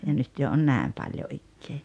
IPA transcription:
jɑ nyt jo on næˑem pɑljo ikːeː

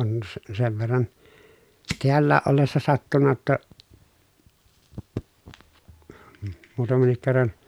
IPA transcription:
on s seʋ ʋerːɑn teælːæːʔ ʔolːesːɑ sɑtːunːɑ j̆otːɑ muːtɑmenːik kerːɑn

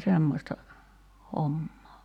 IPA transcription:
semːostɑ homːoː

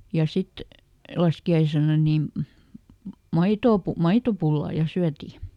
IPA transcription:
jɑ sit lɑskiɑisenɑ niˑm mɑitoː pu mɑitopulːɑˑ jɑ syæti

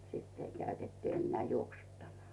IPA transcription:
sitː ei kæytetːŭ enːeæˑ juoksutːɑmɑl

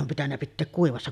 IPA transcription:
om pitænːæ pitːeːk kuiʋɑsːɑ

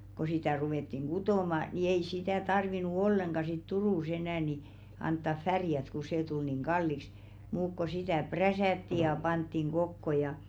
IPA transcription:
ko sitæˑ ruʋeˑtːiŋ ɡ̊utoˑmɑ ni ei sitæˑ tɑrʋinu olːeŋɡ̊ɑ sit turuˑs enæˑ ni ɑntːɑf færjæt ku seː tul niŋ ɡ̊ɑlːiks muːk ko sitæˑ præsæˑtːi jɑ pɑntːiŋ ɡ̊okːo jɑ

